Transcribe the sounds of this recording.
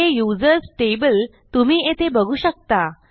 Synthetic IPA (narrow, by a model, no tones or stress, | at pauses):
ejud͡zəɾsʈebəl | t̪um̤iːet̪ʰebəɡʱuːɕək̚t̪a